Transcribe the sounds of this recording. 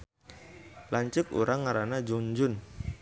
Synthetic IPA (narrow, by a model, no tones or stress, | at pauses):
laɲt͡ʃʊkṵɾaŋːaɾanad͡ʒɔɲd͡ʒʊn